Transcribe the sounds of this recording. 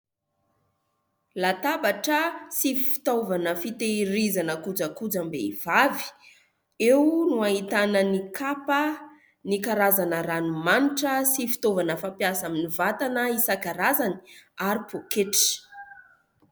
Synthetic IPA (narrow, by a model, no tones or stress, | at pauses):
lat̪abaʈ͡ʂəsifi̥t̪ovanəfit̪eiɾizanəkud͡zəkud͡zambḛiv̥avi̥ | ewnuaɦit̪anənikʰapə | nikaɾazanəɾanumaniʈ͡ʂəsifi̥t̪ovanəfampiasaminivat̪anəisakaɾazani̥aɾipokeʈ͡ʂ